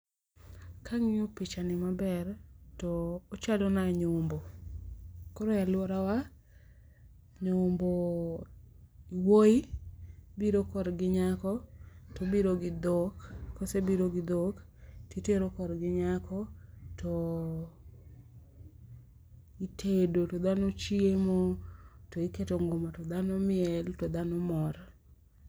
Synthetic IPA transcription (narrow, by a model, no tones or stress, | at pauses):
kʰaŋɪopɪt͡ʃanɪmabɛrtɔːt͡ʃadonaɲombo | koɾojalwɔɾawa | ɲombo | iwoi | biɾokɔɾɡɪɲakɔtɔbiɾoɡɪd̪okkːosebiɾoɡɪd̪ok | titeɾokɔɾɡɪɲakɔtʰɔ | itʰedotod̪anot͡ʃiemotoiketoŋɡomatɔd̪anɔmɪɛltɔd̪anɔmɔr